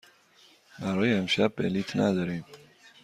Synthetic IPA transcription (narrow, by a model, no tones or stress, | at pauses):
bæɾɒːjeːmʃæb̚ːeliːt̪ʰnæ̰d̪ɒːɾiːm